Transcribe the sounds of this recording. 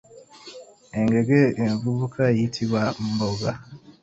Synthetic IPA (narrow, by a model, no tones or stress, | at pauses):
eŋɡe̞ɡeeɱvuβukʰajitʰiβaboɡa